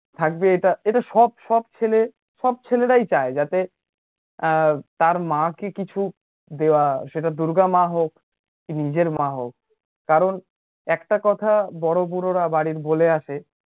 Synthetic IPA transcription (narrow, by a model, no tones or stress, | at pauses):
t̪ʰak̚beeʈaeʈaʃɔb̚ʃɔb̚t͡ɕʰele | ʃɔb̚t͡ɕʰeleʈajt͡ɕaed͡ʑat̪e | t̪aɾmãkekit͡ɕʰu | d̪eoaʃeʈad̪uɾɡamaɦokː | inid͡ʑeɾmãɦok̚ː | aɾon | ɛkʈakɔt̪ʰabɔɽobuɾoɾabaɽiɾboleaʃe